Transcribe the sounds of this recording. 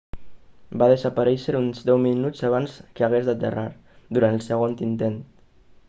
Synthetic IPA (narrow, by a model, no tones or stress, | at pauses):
baðəzəpəɾɛʃəɾunzd̪ɛwminud͡zaβ̞anskəəɣ̞ezd̪ət̪ə̰raɾ | d̪uɾant̪əlˠsəɣont̪int̪ent̪